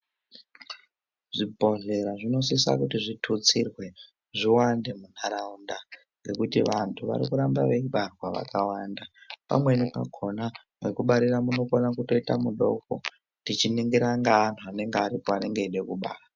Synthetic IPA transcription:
ʐ̥ibʱo̞ɮe̞ɾaʐino̞s̬isa̰kutiʐitʰut͡sirwe̞ | ʐiwande̞mun̤aɾaunda | ŋɡe̞kutiʋantʰuʋa̰ɾḭkuɾamba̰ʋe̞iɓarwaʋa̰kawandapa̰mwe̞nipaɡʰʱo̞na | wekuɓaɾiramuno̞konakuto̞itamuɗo̞ko̰ | tit͡ʃiniŋɡeɾaŋɡaːntʰuane̞ŋɡeaɾipoane̞ŋɡeiɗekuɓa̰ːra

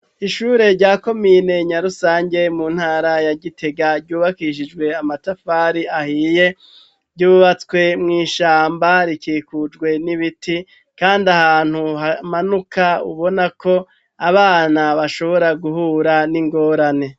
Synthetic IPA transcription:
iʃuːɾe̞ɾɟaːko̞miːne̞ɲaɾusaːɲɟe̞muːn̥haːɾajaɟitʰe̞ɡaɾɟuːβakiʃ̬id͡ʒɡwe̞amatafaːɾiahiːje̞ | ɾɟuːβat͡swe̞mŋiːʃaːmbaɾikiːkud͡ʒɡwe̞niβiti | kaːndahaːn̥huɦamanukʰaṵβo̞nako̞ | aβaːnaβaʃo̞βo̞ɾaɡuhuːɾaniŋɡo̞ːɾane̞

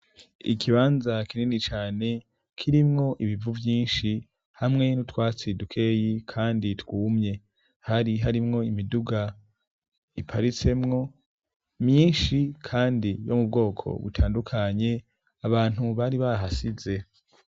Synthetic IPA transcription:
ḭkʰiβaːnzakininit͡ʃaːne̞ | kʰiɾimŋo̞ʔiβivuvjiːnʃi | hamŋe̞nutwaːt͡sidukʰe̞ːjikʰaːnditwuːmɲe̞ | haɾiɦaɾimŋo̞imiduɡa | ipʰaɾit͡se̞mŋo̞ | mɲiːnʃikʰaːndijo̞̰mub̚ɡo̞ːkʰo̰βṵtʰaːndukʰaɲe̞ | aβaːn̥huβaɾiβaɦasize̞

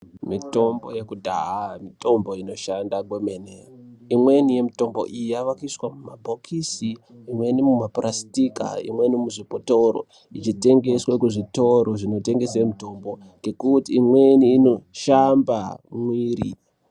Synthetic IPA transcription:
mito̞mbo̞̰je̞kudʱa̰ɦamito̞mbo̞ino̞ʃandaɡwemeneimwe̞nije̞mito̞mbo̞̰ʔijaʋakaiswamumabʱokʰisiːmwe̞nimumaprastika̰ḭmwe̞nimuʐipoto̞ɾo̞̰ | it͡ʃite̞ŋɡe̞swekuʐito̞ɾoʐino̞te̞ŋɡe̞semuto̞mbo̞ | ke̞kutiːmwe̞niːno̞ʃamba̰mwiːɾḭ

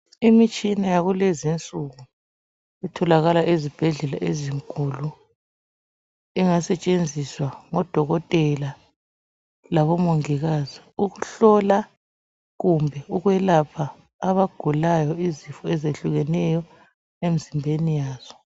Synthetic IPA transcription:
imit͡ʃʼinajaɣulezint͡sʼuɣu | ɛtʰɔlaɣalaʔezib̥ʱɛɮɛlaʔeziŋkʼulu | iŋasɛt͡ʃʼend͡zʱiswaŋɔd̥ʱɔɣɔtʼɛla | laβɔmoŋiɣaziuɣuɬɔla | ɣumbʱɛuɣwɛlapʰaː | βaɡ̥ʱulajɔizifɔɛzeɬuɣɛnɛjɔ | em̩zimbʱenijaːz̥ɔ̥

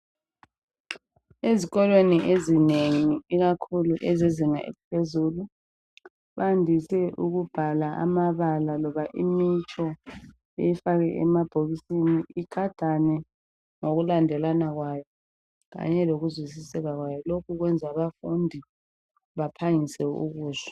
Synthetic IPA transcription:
eziɣɔlweniʔezineŋiiɣakʰuluʔɛziziŋa̰ʔḭpʰezuːlu | βandʱisɛʔuɣub̥ʱalaʔa̰maβalalɔβaʔimit͡ʃʼʰɔ | ejifaɣɛʔɛ̰mab̥ʱoɣisiniiɡ̥ʱad̥ʱanɛ | ŋoɣulandʱɛlanaɣwaːjɔ | ɣa̰ɲɛloɣuzwis̬isɛɣaɣwajɔlokʰuɣwɛnd͡zʱaβafundʱi | βapʰaŋisɛṵɣuːza

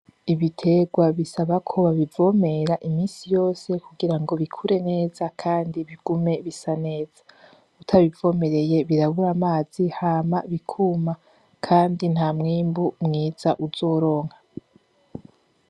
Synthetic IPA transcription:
iβitʰe̞ɡwaβisaβakʰo̞βaβivo̞me̞ɾaʔimiːnsijo̞ːse̞kuɡiɾaŋɡo̞βikʰuɾe̞ne̞ːzakʰaːndiβiɡ̥ume̞βisane̞ːz̥ḁ | utʰaβivo̞ːme̞ɾe̞je̞βiɾaβuɾamaːz̥ihaːmaβikʰuːma | kʰaːndin̥haːmŋiːmbumŋiːz̥aʔuzo̞ːɾo̞ːŋha

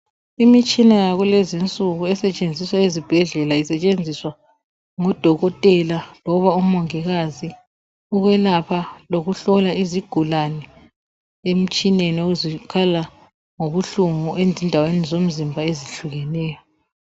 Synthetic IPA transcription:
imit͡ʃʼinajaɣulɛzint͡sʼuɣuɛsɛt͡ʃʼend͡zʱiswaezib̥ʱɛɮɛlaisɛt͡ʃʼend͡zʱiswa | ŋɔd̥ʱɔɣɔtʼɛlalɔβaum̩ɔŋɛɣazi | uɣwɛlapʰaloɣuɬɔlaiziɡ̥ʱulanɛ | em̩t͡ʃʼinenioɣuzikʰala | ŋoβuɬuŋuʔend͡zʱindʱawenizom̩zimbʱaeziɬuɣɛnɛːjɔ

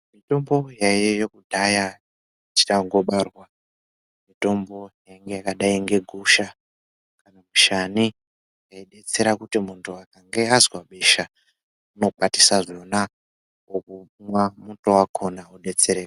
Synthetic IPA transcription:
mito̞mbo̞jajejokudʱaja | ti̥taŋɡo̞ɓarwa | mito̞mbo̞jaiŋɡe̞jakaɗaiŋɡe̞ɡʱuʃa | kanamuʃani | akaiɗe̞t͡se̞ɾakutimuntʰuakaŋɡe̞azwaɓeʃa | uno̞k͡pati̥saʐo̞na | okumwamuntowakʰo̞nauɗe̞t͡se̞ɾeːka

